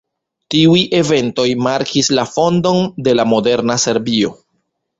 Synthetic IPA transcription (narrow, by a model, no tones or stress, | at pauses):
tiujʔe̞ve̞nto̞jmaɾkʰislafo̞ndo̞nde̞lamo̞de̞ɾnase̞ɾbio̞̰